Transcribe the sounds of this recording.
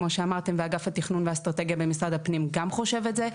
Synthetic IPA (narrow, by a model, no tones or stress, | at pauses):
mo̞ʃeamaʁt̪e̞mveaɡafhat̪iχnunveast̪ʁate̞ɡijabe̞misʁad̪apnimɡamχo̞ʃe̞vetze